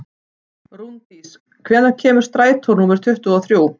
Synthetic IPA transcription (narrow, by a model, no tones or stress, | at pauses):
ɾunt̪is | kʰvɛːnacʰɛːmʏɾ̥st̪ɾaːjt̪ʰɔɾnuːmɛɾ̥t̪ʰʏht̪ʏɔθɾjuːw